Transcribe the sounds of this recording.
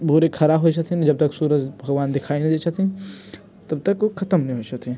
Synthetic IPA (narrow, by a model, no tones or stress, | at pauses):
bʱuɾekʰɐɾaɦoit͡ʃʰɐt̪ʰind͡ʒɐb̚t̪ɐksuːɾətbʱɐɡʋaːnd̪ɪkʰaːinĩd̪eːt͡ʃʰɐt̪ĩ | t̪ɐb̚t̪ɐkxʰɐt̪əmnĩɦoit͡ʃɐt̪ʰĩ